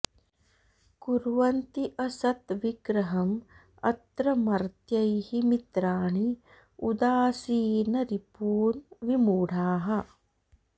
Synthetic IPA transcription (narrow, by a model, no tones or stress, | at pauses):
kuɾʋɐnt̪iʔɐsɐt̪ʋiɡɾɐɦɐm | ɐ̰t̪ɾɐmɐɾt̪jɐjhimit̪ɾaːɳi | ud̪aːsiːnɐɾipuːnʋimuːɽʱaːɦɐ